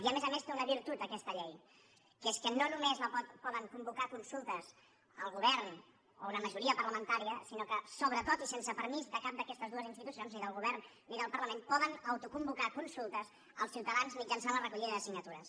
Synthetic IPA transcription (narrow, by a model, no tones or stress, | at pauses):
iəmezəmest̪eunəβiɾt̪ut̪̚d̪əkɛst̪əʎɛj | keskənonumezləpɔt̪̚pɔðəŋkumbukakunsulˠt̪əz | əlˠɣuβɛɾn | ounəməʒuɾiəpəɾləmənt̪aɾiəsinokəsoβɾət̪ot̪isensəpəɾmizd̪əkap̚d̪əkɛst̪əzðuəzinst̪it̪usionzniðəlˠɣuβɛɾnː | iðəlˠpəɾləmempɔðənəwt̪ukumbukakunsulˠt̪əz | əlˠsiwt̪əðanzmid͡ʒənsanlərəkuʎiðəðəsiɡnət̪uɾəs